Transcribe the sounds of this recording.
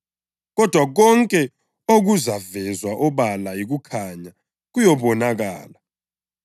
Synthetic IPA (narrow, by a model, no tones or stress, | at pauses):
ɣɔd̥ʱwaɣ̬ɔŋkʼɛ | oɣ̬uzavɛzwaʔɔɓalaik̬ukʰaɲa | k̬ujɔɓɔnaɣ̬a̰ːla